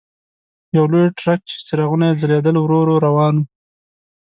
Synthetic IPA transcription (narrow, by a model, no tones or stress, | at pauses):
jawlojʈɾak̚t͡ʃe̥sɪɾaɣunaezaled̪əlwɾoɾoɾawɑːnu